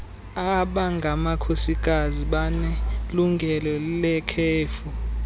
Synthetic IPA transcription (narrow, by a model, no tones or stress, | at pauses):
aɓaŋɡʱamakʰosik̬ʼaziɓanɛluŋɡʱɛlɔlilɛkʰeːfu